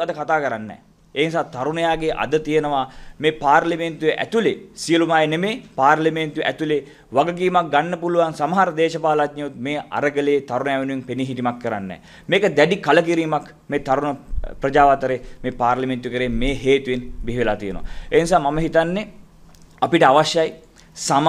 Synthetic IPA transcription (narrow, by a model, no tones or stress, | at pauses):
ad̪əkat̪aːkəɾanːɛ̰ː | eːnisaːt̪aɾunəjaːɡeʔa̰d̪ət̪ijənəʋameːpaːrliment̪ujeʔæ̰t̪ulesijəlumaːjenemeːpaːrlɐment̪ueʔæt̪ule | ʋaɡək̬iːmak̚ɡanːəpuluʋansamɐɦaɾəd̪eːʃəpaːlat̪ɲɐut̪̚meːa̰ɾəɡəleːt̪aɾunəjaːʋenueŋpeniɦiʈimakːəɾanːɛ̰ː | meːkəd̪æɖikalək̬iɾiːmak | meːt̪aɾunəprɐd͡ʒaːʋat̪əɾemeːpaːɾlɐment̪uʋekəɾeːmeːɦeːt̪uʋenbiɦiʋelaːt̪ijənə̰ʋa̰eːnisaːmaməɦit̪anːe | apiʈəaʋaʃjaj | sam